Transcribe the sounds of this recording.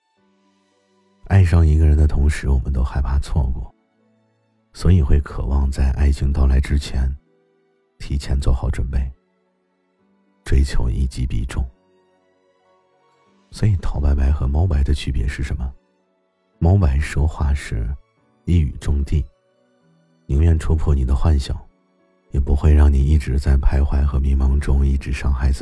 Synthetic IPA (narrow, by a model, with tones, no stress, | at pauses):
a˥˧ɪʂ̬ɑ˥˩ŋi˧˥ɡə˧ɻə˧˥nd̪ə˧t̪ʰʊ˧˥ŋʂɻ̩˧˥wɔ˨˩mə˦nt̪o˥ʊxa˧˥ɪpʰa˥t͡sʰwɔ˥˧kwɔ̰˥˩ | swɔ˧˥i˨˩xwe˥˩ɪkʰɤ̰˨˩wɑ˥˧ŋt͡sa˥˧ɪʔa˥˩ɪɕi˧˥ŋt̪ɑ˥˩ʊla˧˥ɪʈ͡ʂɻ̩˥t͡ɕʰjɛ˧˥n | t̪ʰi˧˥t͡ɕʰjɛ˧˥nt͡swɔ˥˩xɑ˨˧˥ʊʈ͡ʂwə˨˩npe˥˩ɪ | ʈ͡ʂwe˥ɪt͡ɕʰjo˧˥ʊʔḭ˥˩t͡ɕi˧˥pḭ˥˩ʈ͡ʂʊ˥˩ŋ | swɔ˧˥i˨˩t̪ʰɑ˨˩˦ʊpa˧˥ɪpa˧˥ɪxɤ˧˥mɑ˧˥ʊpa˧˥ɪd̪ə˧t͡ɕʰy˥˩pjɛ̰˧˥ʂɻ̩˥˩ʂə˧˥nmə˧ | mɑ˧˥ʊpa˧˥ɪʂwɔ˥xwa̰˥˧ʂɻ̩˥˧ | i˥˩y̰˨˩ʈ͡ʂʊ˥˧ŋt̪i˥˩ | ni˧˥ŋɥɛ˥˩nʈ͡ʂʰu˥pʰɔ˥˩ni˨˩d̪ə˦xwa˥˧nɕjɑ̰˨˩˦ʊ | jɛ˨˩pu˧˥xwe˥˧ɪɻɑ˥˩ŋni˨˩i˥˩ʈ͡ʂɻ̩˧˥t͡sa˥˩ɪpʰa˥ɪxwa˧˥ɪxɤ˧˥mi˧˥ŋmɑ˧˥ŋʈ͡ʂʊ˥ŋi˥˩ʈ͡ʂɻ̩˧˥ʂɑ˥˧ŋxa˥˩ɪd͡zɹ̩˩